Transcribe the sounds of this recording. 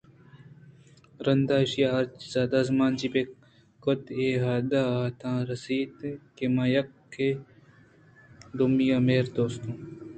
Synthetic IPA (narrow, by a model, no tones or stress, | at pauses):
ɾɐnd̪aːɪʃijaːɐɾt͡ʃzaːd̪aːzmaːnd͡ʒibe | kot̪eːɦaːd̪aːt̪ʰãːɾɐsiːt̪kemajɐkʰː | e | d̪ʊmijameːɾd̪oːst̪ũː